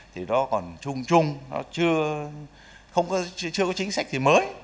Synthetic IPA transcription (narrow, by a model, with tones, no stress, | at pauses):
t̪ʰi˨˩ɗɔ˨˦kɔ˨˩nt͡ɕʊ˧ŋ͡mt͡ɕʊ˧ŋ͡mnɔ̰˨˦t͡ɕɨ˧ə | xə˧wŋ͡mkɔ˨˦t͡ɕt͡ɕɨ˧əkɔ˨˦t͡ɕï˨˦ŋ̟sa˦˥k̟̚t̪ʰi˨˩məː˨˦j